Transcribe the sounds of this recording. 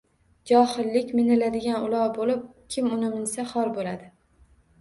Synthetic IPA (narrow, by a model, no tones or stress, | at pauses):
d͡ʒɒhɪlːɪkʲmɪnɪlad̪ɪɡʲanʊlˠɒwbolɪp̚kʲʰɪmʊnɪmɪnsaχɒɾbolad̪ɪ